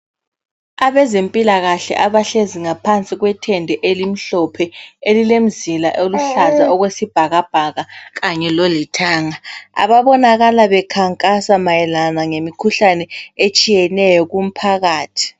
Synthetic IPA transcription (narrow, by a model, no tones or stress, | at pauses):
aβɛzempʼilaɣaɬɛ̰ʔaβaɬeziŋapʰant͡sʼiɣwɛtʰɛndʱɛʔelim̩ɬɔpʰɛelilem̩zila̰ʔoluɬazaɔɣwesib̥ʱaɣab̥ʱaɣaɣaɲɛlolitʰaːŋaa̰βaβɔnaɣalaβɛkʰaŋkʼasamajɛlanaŋemikʰuɬanɛet͡ʃʼijɛnɛjɔɣum̩pʰaɣaːtʰi̥